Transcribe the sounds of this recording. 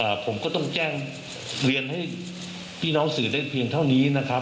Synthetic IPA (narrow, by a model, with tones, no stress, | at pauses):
ʔaː˨˩pʰo˩˦mkɔː˥˩t̪ɔ˥˩ŋt͡ɕɛː˥˩ŋ | ɾi˧ənɦa˥˩j | pʰiː˥˩nɔː˦˥ŋsɯː˩˦daː˥˩jpʰi˧əŋt̪ʰa˥˩wniː˦˥na˦˥kʰɾ